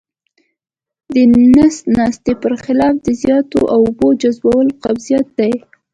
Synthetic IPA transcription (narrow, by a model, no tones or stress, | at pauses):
d̪ənasnɑst̪epəɾxɪlɑfd̪əzjɑt̪o̰ʔawʊbod͡ʒazbawəloqabzijɑt̪̚d̪aj